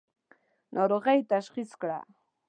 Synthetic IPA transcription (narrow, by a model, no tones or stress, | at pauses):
nʔoɾɢɑjt̪aʃɢɪskɾa̰